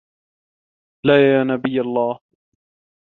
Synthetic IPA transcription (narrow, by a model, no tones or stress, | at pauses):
laːjaːnabɪjːalˤːɑːh